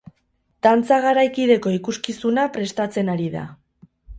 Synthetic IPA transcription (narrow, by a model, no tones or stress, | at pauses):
t̪ant͡saɣ̞aɾajkið̞e̞ko̞ikuskisunapɾe̞st̪at͡se̞naɾiða̰